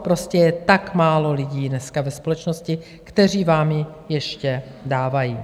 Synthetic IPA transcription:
pɾoscɛjɛt̪akmaːlo̞lɪɟiːdnɛskavɛspo̞lɛt͡ʃno̞scɪ | kt̪ɛr̝iːvaːmjɪ | jɛʃcɛ | daːvajiː

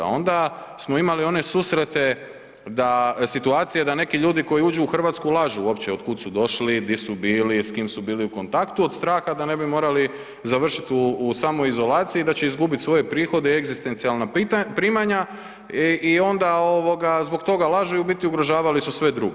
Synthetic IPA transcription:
a̰o̞nd̪asmo̞imalio̞ne̞suːsɾe̞t̪e̞ | d̪asit̪uaːt̪sije̞d̪ane̞kiʎuːd̪iko̞jiuːd͡ʒuːxr̩ʋat̪skulˠaʒuwo̞pt͡ɕeod̪kud̪sud̪o̞ʃlid̪isubiːliskiːmsubiːliuko̞nt̪akt̪uo̞d̪st̪ɾaːxad̪ane̞bimo̞ːɾali | zaʋr̩ʃit̪uːsaːmojizo̞laːt̪sijid̪at͡ɕe̞izɡubit̪sʋo̞je̞pɾiːxo̞d̪eieɡzist̪e̞nt̪sialnat̪pɾiːmaɲa | io̞nd̪ao̞ʋo̞ɡazbo̞kt̪o̞ɡalˠaʒujubit̪iuɡɾoʒaːʋalisusʋe̞d̪ɾuɡe

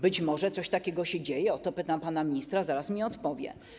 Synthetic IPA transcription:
bɘt͡ɕmɔʐɛt̪sɔɕt̪akʲɛɡɔɕɛd͡ʑejɛɔt̪ɔpɘt̪ampanamʲɲist̪ɾazaɾasmʲiɔt̪pɔvʲjɛ̰

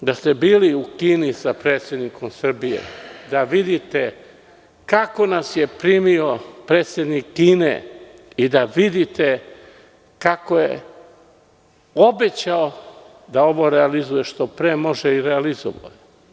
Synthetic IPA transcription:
d̪ast̪e̞biːliukiːnisapɾeːt̪sje̞d̪niko̞msr̩bije̞̰d̪aʋid̪it̪e̞ | kako̞nasje̞pɾiːmio̞pɾe̞ːt̪sʲjed̪nikːiːnḛ | id̪aʋid̪it̪e̞ | kako̞jḛ | o̞be̞t͡ɕao | d̪ao̞ʋo̞ɾealizuje̞ʃt̪o̞pɾeːmo̞ʒeiɾealizo̰ʋa̰je

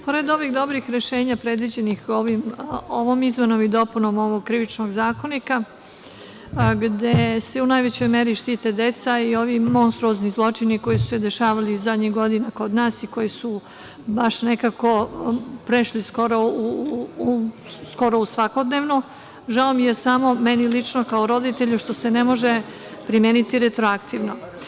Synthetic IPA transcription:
po̞ɾe̞d̪o̞ʋiɣd̪o̞bɾixɾeʃeːɲapɾe̞d̪ʋid͡ʑe̞nixo̞ʋimo̞ʋomizmenomid̪o̞punomo̞ʋoɡ̚kɾiʋit͡ʃnoɡzaːko̞nika | ɡd̪ese̞unajʋet͡ɕo̞jme̞ɾiʃt̪it̪ed̪e̞t̪saio̞ʋimo̞nst̪ɾuoznizlˠo̞t͡ʂiniko̞jisused̪e̞ʃaːʋalizad̪ɲiɣɡo̞d̪inako̞d̪naːsiko̞jisu | baʃne̞kako̞pɾeʃliskoɾou | sko̞ɾousʋako̞d̪neːʋno | ʒaomijesamo̞menilit͡ʃnokaoɾo̞d̪it̪eʎuʃt̪o̞senemo̞ʒe | pɾimjeːnit̪iɾet̪ɾoakt̪iʋno

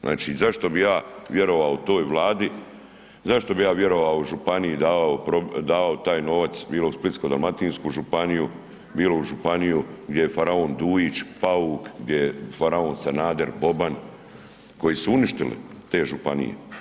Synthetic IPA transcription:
nʔa̰ːt͡ʃizaʃt̪o̞bijaːʋje̞ɾo̞ʋaot̪o̞ːjʋlˠaːd̪i | zaʃt̪o̞bijaːʋje̞ɾo̞ʋaouʒupanijid̪aːʋaopɾod̪aːʋaot̪aːjno̞ʋat̪sbiːlo̞usplit̪skod̪alˠmat̪iːnskuʒupaniju | biːlo̞uʒupanijuɡd̪jejefaɾaoːnd̪uːjit͡ʃpaukɡd̪jejefaɾaoːnsanaːd̪eɾbo̞ban | ko̞jesuuniʃt̪ilḭt̪e̞ːʒupa̰nḭjḛ

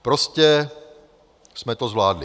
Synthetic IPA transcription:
pɾoscɛ | smɛt̪ozvlaːdlɪ

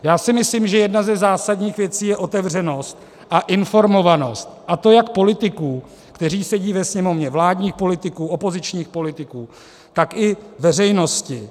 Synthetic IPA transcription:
jaːsɪmɪslimʒɛjɛdnazɛzaːsadɲiːxvjɛt͡siːjɛʔo̞t̪ɛvr̝ɛno̞st̪̚ | ʔaʔɪnfo̞ɾmo̞vano̞st̪̚ʔat̪o̞jakpo̞lɪt̪ɪkuː | kt̪ɛriːsɛɟiːvɛsɲɛmo̞vɲɛvlaːdɲiːxpo̞lɪt̪ɪkuːo̞po̞zɪt͡ʃɲiːxpo̞lɪt̪ɪkuː | t̪akʔɪvɛr̝ɛjno̞scɪ

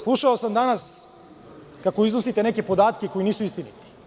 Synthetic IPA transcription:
slˠuʃaosamd̪anas | kako̞iznosit̪eneke̞po̞d̪aːt̪keko̞iniːsuist̪init̪i̥

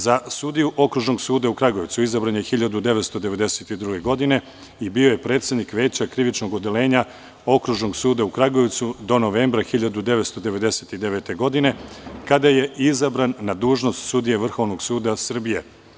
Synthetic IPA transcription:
zasud̪ijuʔo̞kɾuʒno̞ɡsuːd̪aukɾaɡo̞ʋt̪suizabɾanjexiʎad̪ud̪e̞ʋet̪st̪od̪eʋe̞d̪e̞se̞t̪id̪ɾuɡe̞ɡo̞d̪ine̞ | ibio̞je̞pɾe̞ːt̪sje̞d̪nikʋe̞ːt͡ɕakɾiʋit͡ʃno̞ɡo̞d̪e̞le̞ːɲa | o̞kɾuʒno̞ɡsuːd̪aukɾaɡoʋt̪sud̪o̞no̞ʋeːmbɾaxiʎad̪ud̪e̞ʋe̞t̪st̪o̞d̪eʋe̞d̪e̞se̞t̪id̪eʋeːt̪e̞ɡo̞d̪ine̞kad̪aje̞izabɾanːad̪uːʒno̞st̪sud̪ije̞ʋr̩xo̞ʋno̞ɡsuːd̪asr̩bije̞

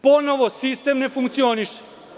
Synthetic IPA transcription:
po̞noʋosist̪emnefuŋkt̪sioniʃ

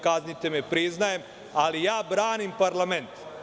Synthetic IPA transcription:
kaznit̪emepɾiznajem | alijaːbɾaːnimpaɾlame̞nt̪

